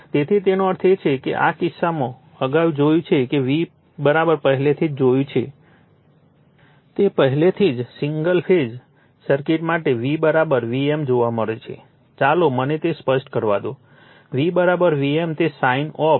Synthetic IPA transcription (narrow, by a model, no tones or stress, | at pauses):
t̪et̪ʰit̪enoəɾt̪ʰet͡ʃʰekḛʔa̰kɪsːamõ | əɡaʋd͡ʒojũt͡ʃʰekeʋi | bəɾabəɾpəɦɛlet̪ʰid͡ʒd͡ʒojũt͡ʃʰe | t̪epəɦɛlet̪ʰid͡ʒsiŋɡəlpʰed͡ʒ | səɾkiʈmaʈeʋibəɾabəɾʋiemd͡ʒoʋaməɭet͡ʃʰḛ | t͡ʃalomənet̪espəʃʈkəɾʋa̰d̪o | ʋibəɾabəɾʋiemt̪esainɔ